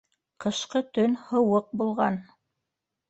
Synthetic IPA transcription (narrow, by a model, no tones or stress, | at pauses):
qɤ̆ʃqɤt̪ɵnhɤ̆wɤq̚bulˠʁɑn